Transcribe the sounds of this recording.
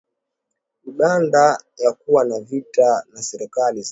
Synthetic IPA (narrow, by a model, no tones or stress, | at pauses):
uɗandajakuwanavitanasɛɾɛkaliz